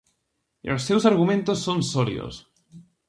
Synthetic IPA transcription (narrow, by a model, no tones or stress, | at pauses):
ostewsaɾɣumẽnt̪osːonsoɾḭo̰s